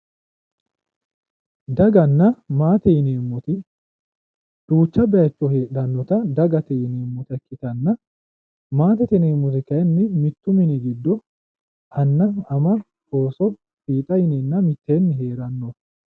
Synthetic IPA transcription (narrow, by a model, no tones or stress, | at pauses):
d̪ɐɡɐnːɐmaːt̪ɛjɪneːmːɔt̪ɪ | d̪̥uːt͡ʃːɐbɛjɐt͡ʃːɔheːᶑɐnːɔt̪ɐd̪ɐɡɐt̪ɛɪneːmːɔt̪ɐkːɪt̪ɐnːɐ | maːt̪ɛt̪ɛneːmːɔt̪̬ɪkɐjnːɪmɪt̪ːʊmɪnɪɡɪd̪ːɔ | ʔɐnːɐɐmɐ | ho̞ːsɔ | fiːt̪ʼɐjɪnenːɐmɪt̪ːeːnːɪɦeːɾɐnːɔ